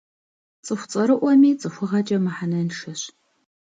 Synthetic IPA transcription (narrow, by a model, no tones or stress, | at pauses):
t͡sʼɨxʷt͡sʼɐɾɨʔʷɔmiːt͡sʼɨxʷʊʁɐt͡ʃʼɐmaħanɐnʂɐɕ